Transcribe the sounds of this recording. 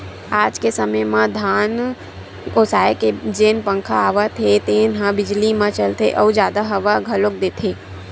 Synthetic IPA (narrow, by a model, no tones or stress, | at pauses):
aːd͡ʒkesəməjmãd̪ʱaːn | oːsaːeked͡ʒeːnpə̃ŋkʰaːʋat̪ʰet̪eːnɦãbɪd͡ʒlimãt͡ʃəlt̪ʰeʔɔːd͡ʒjaːd̪aɦɐʋaɡʱɐlok̚d̪eːt̪ʰeː